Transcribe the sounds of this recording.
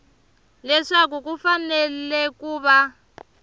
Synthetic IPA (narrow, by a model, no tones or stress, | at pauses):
lɛʂak̬uk̬ufanɛlɛkuːβa